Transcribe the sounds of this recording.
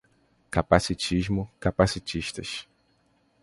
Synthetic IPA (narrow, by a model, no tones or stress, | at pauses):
kapasit͡ʃiʒmʊkapasit͡ʃiʃt̪ɐʃ